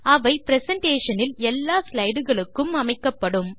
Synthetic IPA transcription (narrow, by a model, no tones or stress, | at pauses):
ɐʋɐɪpɾɛsɐɳʈeːʂɐnɪlɛlːaːslɐɪɽɯɣɐɭɯkːɯmɐmɐɪkːɐpːɐɽɯm